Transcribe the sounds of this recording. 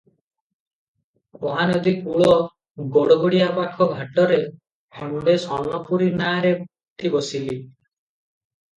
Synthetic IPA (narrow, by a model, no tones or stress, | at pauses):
oɦanɔd̪ikuɭɔ | ɡɔɽɔɡɔɽiapakʰɔɡʱaʈɔɾe | pʰɔmɖesɔnɔpuɾinaɾe | t̪ʰibɔsili